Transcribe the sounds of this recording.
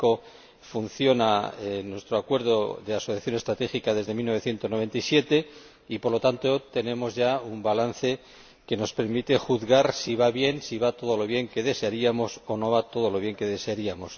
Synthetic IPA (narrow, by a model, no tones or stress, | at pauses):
o | fun̟θjo̞naenwe̞st̪ɾoakwe̞ɾð̞o̞ðe̞asoθjaθjo̞ne̞st̪ɾat̪e̞xikaðe̞zðe̞milnoβe̞θje̞nt̪o̞noβe̞nt̪ajsje̞t̪e̞ | ipo̞ɾlo̞t̪ant̪ot̪e̞nẽ̞mo̞zʝaumbalanθe̞ | ke̞no̞spe̞ɾmit̪e̞xuðɣaɾsiβaβje̞nsiβat̪o̞ðo̞lo̞β̞je̞ŋke̞ðe̞seaɾiamo̞so̞no̞β̞at̪o̞ð̞o̞loβje̞ŋke̞ðe̞seaɾiamo̞s